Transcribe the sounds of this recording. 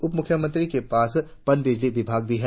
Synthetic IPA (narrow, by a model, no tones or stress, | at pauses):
ʊpmʊkʰːjəmə̃nt̪ɾikepaːspɐnbɪd͡ʒliʋɪbʱaːɡ̚bʱiɦɛː